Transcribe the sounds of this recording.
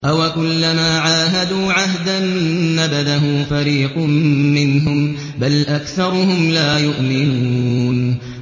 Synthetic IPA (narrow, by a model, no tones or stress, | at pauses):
ʔawakʊlːamaːʕaːɦad̪uːʕaɦd̪anːabad̪aɦʊːfaɾiːqːɪnɦʊm | balʔakθɑɾˤʊɦʊmlaːjʊʔmɪnuːn